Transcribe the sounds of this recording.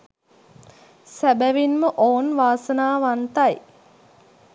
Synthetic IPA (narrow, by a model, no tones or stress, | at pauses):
sæbæʋinməʔoːnʋaːsənaːʋant̪aj